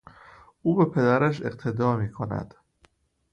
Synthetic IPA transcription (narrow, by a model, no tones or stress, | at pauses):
ʔuːbe̞pʰe̞d̪æɾæʃ̬e̞̰qt̪ʰe̞d̪ɒːmiːkʰonæ̰d̪̥